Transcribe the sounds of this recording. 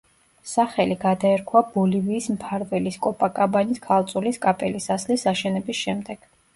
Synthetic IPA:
saχɛliɡad̪aɛɾkʰwab̥ɔliviːsmpʰaɾvɛliskʼɔpʼakʼabaniskʰalˠt̪sʼuliskʼapʼɛlisaslisaʃɛnɛbisʃɛmd̪ɛɡ̥

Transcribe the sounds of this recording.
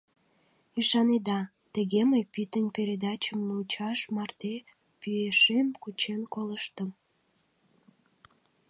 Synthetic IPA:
yʃɑned̪ɑ | t̪əɣeməjpyt̪ənʲpeɾed̪ɑt͡ɕəmːuut͡ɕɑʃmɑrt̪e | pyeʃemkut͡ɕenkoləʃt̪əm

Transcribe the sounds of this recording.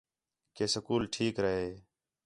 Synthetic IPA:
keːsəkuːlʈʰiːkɾəɦeː

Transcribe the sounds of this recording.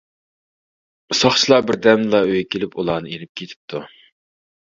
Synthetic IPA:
sɑχt͡ʃʰilˠɑbɪɾd̪ɛmlˠɑøjɛkʲʰelɪpulˠɑːnɨenɪp̚kʲʰet̪ʰɪ̥p̚t̪ʰu

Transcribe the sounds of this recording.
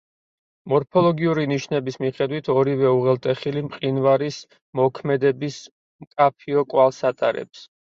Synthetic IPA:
mɔɾpʰɔlˠɔɡiuɾiniʃnɛbismiχɛd̪wit̪ʰɔɾivɛuʁɛlˠt̪ʼɛχilimqʼinvaɾis | mɔkʰmɛd̪ɛbis | mkʼapʰiɔkʼwalˠsat̪ʼaɾɛ̰ps

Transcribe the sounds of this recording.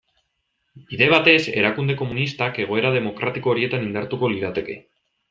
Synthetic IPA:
iðe̞β̞at̪e̞se̞ɾakund̪e̞ko̞munist̪ake̞ɣ̞o̞e̞ɾað̞e̞mo̞kɾat̪iko̞ːɾie̞t̪anind̪aɾt̪uko̞liɾat̪e̞ke̞

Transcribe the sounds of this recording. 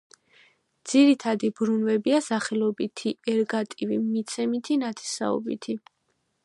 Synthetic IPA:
d̪z̥iɾit̪ʰad̪ibɾunvɛbiasaχɛlɔbit̪ʰiɛɾɡat̪ʼivimit̪sʰɛmit̪ʰinat̪ʰɛ̥sa̰ɔ̰bḭt̪ʰi

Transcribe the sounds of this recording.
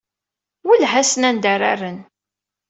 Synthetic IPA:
wəlɦæsənænd̪ara̰rːən

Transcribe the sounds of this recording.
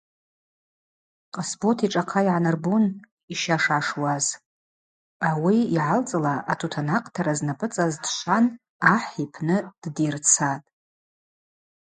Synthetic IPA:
qʼasbotʰiʈ͡ʂʼaqʰaiʕanarbun | iʃaʂaʂwaz | awiiʕalt͡sʼɨlaʔːtʰutʰanaqʼtʰaɾaznapʼɨt͡sʼazdʃʷan | aħipʰnɨd̥dirt͡sʰatʼ

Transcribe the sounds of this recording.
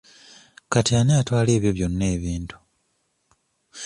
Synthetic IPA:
katianeatwaːle̞ːβjo̞βjo̞nːe̞ːβiːntu̥

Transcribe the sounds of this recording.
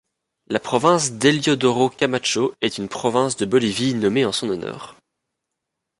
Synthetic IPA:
lapχɔvɛ̃sd̪eljɔd̪ɔʁokʲamat͡ʃoɛt̪ynpχɔvɛ̃sd̪əbɔlivinɔmeɑ̃sɔ̃nɔnɔ̰ːʁ

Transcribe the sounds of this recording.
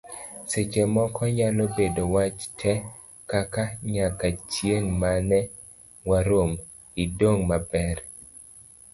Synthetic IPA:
set͡ʃemɔkʰɔɲalobedowat͡ʃtʰɛ | kakaɲakat͡ʃjeŋmanɛ | waɾom | idoŋmabɛɾ

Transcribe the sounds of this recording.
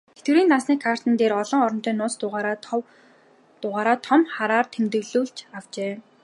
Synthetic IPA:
et̪̚ɡɘ̆ɾiːnt̪asniːkʰar̥t̪ə̆nt̪eːɾɔɮɞ̆ŋɔɾɞ̆nt͡ɕ̪iːnːʊːt͡st̪ʊ | t̪ʊʁaːɾaːt̪ʰɔmχaɾaːrt̪ʰemt̪ɘ̆ɣɮuːɮt͡ɕaw̥t͡ɕeː

